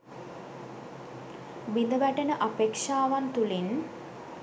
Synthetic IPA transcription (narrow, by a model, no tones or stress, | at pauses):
bind̪əbæʈənəʔapekʂaːʋant̪ulin